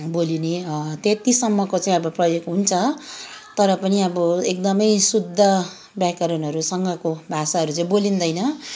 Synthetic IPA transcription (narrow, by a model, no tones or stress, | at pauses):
bolinet̪et̪isʌmːʌkot͡sãĩʌbʌprʌjoɡɦunt͡sʰʌt̪ʌɾʌpʌniʌbʌek̚d̪ʌmʌjsud̪ʱːʌ | bjakʌɾʌnɦʌɾusʌŋɡʌkobʱasaɦʌɾut͡sãĩbolind̪ʌjnʌ